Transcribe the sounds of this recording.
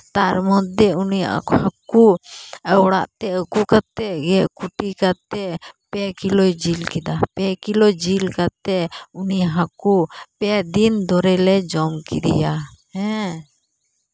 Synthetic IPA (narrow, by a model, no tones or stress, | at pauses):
t̪aɾmɔt̪̚ːɛunija̰hakuɛwɽa̰ʔt̪ɛəkukat̪ɛɡɛʔkuʈikat̪ɛpɛkilɔjd͡ʒilkid̪apɛkilɔjd͡ʒilkat̪ɛuniaɦakupɛd̪ind̪ɔɾɛlɛd͡ʒɔmkḭd̪ḭjahɛ̃